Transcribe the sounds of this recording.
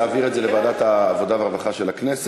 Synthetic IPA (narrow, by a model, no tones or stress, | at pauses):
aːviʁedzelevaːd̪at̪aːvo̞d̪aveaʁvaχaʃelaknes